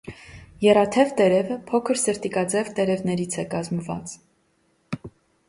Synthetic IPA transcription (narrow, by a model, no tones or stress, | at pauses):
jɛrɑt̪ʰɛvt̪ɛɾɛvəpʰɔkʰəɾsəɾt̪ikɑd͡zɛvt̪ɛɾɛvnɛɾit͡sʰɛkɑzməvɑ̰t͡s